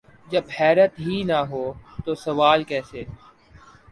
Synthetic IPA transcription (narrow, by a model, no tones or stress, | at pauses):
d͡ʒɐbhɛːɾət̪ɦinɐɦoːt̪oːsɐʋaːlkɛːseː